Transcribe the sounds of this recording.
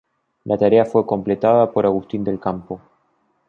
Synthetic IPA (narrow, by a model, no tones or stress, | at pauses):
lʔat̪aɾeafwe̞ko̞mple̞t̪aðapo̞ɾaɣust̪ind̪e̞lkampo̞